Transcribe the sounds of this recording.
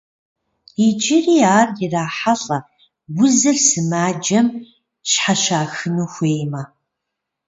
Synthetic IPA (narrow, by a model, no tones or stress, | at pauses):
id͡ʒɪriːaːrjɪraːħaɬʼɐ | wʊzɨrsɨmaːd͡ʒɐm | ɕħaʃaːxɨnuːxʷeːjmaː